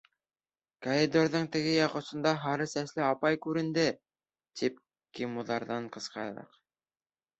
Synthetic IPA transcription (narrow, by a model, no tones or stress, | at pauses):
koɾʲid̪oɾðɤɴt̪ɘ̆ɡɘjɑqɤ̆sɤ̆nd̪ɑɦɑɾɤsæslɘɑpɑjkʉɾɘ̆nd̪ɘ | t̪ʰip̚ | kimuðɑɾðɑɴqɤ̆sqɑɾɾɑ̰q